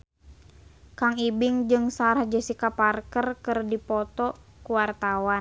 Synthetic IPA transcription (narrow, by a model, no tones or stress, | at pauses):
kaŋibɪŋd͡ʒɨŋsaɾahd͡ʒəsikaparkərkɨrdipɔt̪ɔkuwart̪awan